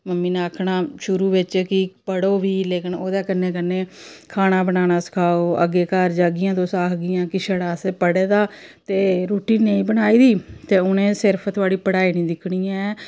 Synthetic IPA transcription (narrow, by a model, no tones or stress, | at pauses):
məmːiːnaːəkʰnaːʃʊɾuːʋɪt͡ʃkɪpəɽoːʋiːleːkɪnoːd̪aːkənːẽːk̬ənːẽːkʰaːɽ̃ãːbənaːñaːsə̥kʰaːoːʔə̰ɡːeːkəɾd͡ʒaːɡɪjãːt̪õːsaːkʰɡɪjãːkɪʃəɽaːseːpəɽeːd̪aːt̪eːɾuːʈiːneĩːbənaːiːd̪iːt̪eːʊnẽːsɪɾpʰt̪ʊaːɽiːpəɽaːiːnĩːd̪ɪkʰɽiːjãːɛː